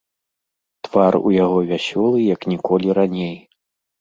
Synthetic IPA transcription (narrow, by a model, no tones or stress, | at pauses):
t̪v̥arṵjaɣɔvʲasʲɔlˠɨjɐknʲikɔlʲiɾanʲej